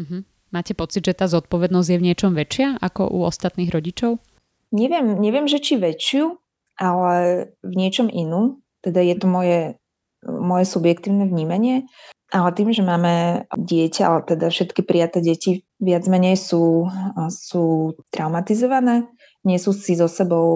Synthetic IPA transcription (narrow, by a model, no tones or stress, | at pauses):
m̩ɦ̩ | maːcɛpɔt͡sid̪ʒɛt̪aːzɔt̪̚pɔʋɛd̪nɔzɟjɛvɲɪɛt͡ʃɔmʋɛt͡ʃɪaʔakɔ̰ʔṵɔst̪at̪niːɣɾɔɟit͡ʃɔʊ | ɲɛʋɪɛmɲɛʋɪɛmʒɛt͡ʃiʋɛt͡ʃju | ʔalɛvɲɪɛt͡ʃɔmʔinuːm | t̪ɛd̪ajɛt̪ɔmɔjɛ | mɔjɛsubjɛkt̪iːʊnɛʋɲiːmaɲɪɛʔalɛt̪iːmʒɛmaːmɛɟɪɛcaa̰lɛt̪ɛd̪afʃɛt̪kipɾijat̪ɛːɟɛci | ʋɪad͡zmɛɲɛjsuː | suːt̪ɾaʊmat̪izɔʋanɛː | ɲɪɛsuːsizɔsɛbɔʊ